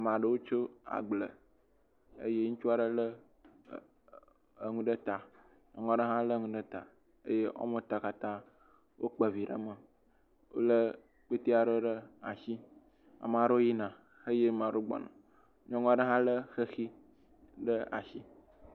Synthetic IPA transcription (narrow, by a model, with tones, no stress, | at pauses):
a˨m˨a˨ɖə˦wo˦t͡ʃo˦a̰˨ɡ͡blə̰˨ | ə̰˦je˦ŋu˦t͡ʃu˦a˦˨ɖə˦lə˦˨ | ŋũ˦ɖə˦t̪a˨ | ɲɔ̃˦ŋɔ̃˦a˨ɖə˦ɦã˦lə˦ŋũ˦ɖə˦t̪a˨ | ə˦je˦ʔɔ̰˦mə˦t̪a˨ka˨t̪ã˦ | wʔo˦k͡pə˨vi˨ɖə̰˦mə˨ | wo̰˦lə˦ | k͡pe˦t̪i˦a˨ɖə˦ɖə˦a˨ʃi˦ | a̰˨m˨a˨ɖo˦ji˦nã˨ | xə˦je˦m˨ã˨ɖo˦ɡ͡bɔ̰˨nã̰˨ | ɲɔ̃˦ŋɔ̃˦a˨ɖə˦ɦã˦lə˦xə˦xi˦ | ɖə˦a̰˨ʃi˦